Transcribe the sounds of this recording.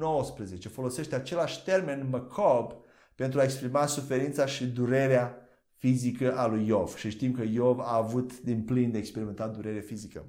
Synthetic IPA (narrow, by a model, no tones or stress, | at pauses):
nowəspɾəze̞t͡ʃe̞fo̞lo̞se̞ʃt̪eat͡ʃe̞laʃʲt̪e̞rme̞nməkʰob | pe̞nt̪ɾuaekspɾimasufe̞ɾint̪saʃid̪uɾe̞ɾea | fizikəʔalujːov̥ʃiʃt̪imkəjovaːvut̪d̪inplind̪eekspe̞ɾiment̪at̪̚d̪uɾe̞ɾefizikə̰